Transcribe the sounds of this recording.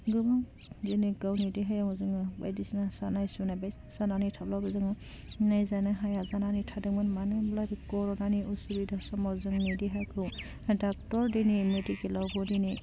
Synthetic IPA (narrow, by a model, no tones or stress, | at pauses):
ɡɯbaŋ | diniɡawnidiɦajamɔzɯŋɯba̰jdisinasanajsunabaj | sananitʰablabɯzɯŋɯ | najzanɯɦajazananitʰadɯŋmɯnmanɯblabikɔɾɔnaniusubidasɔmɔzɯŋnidiɦakʰɯw | dak̚tɔɾdinimedikilawbɔdini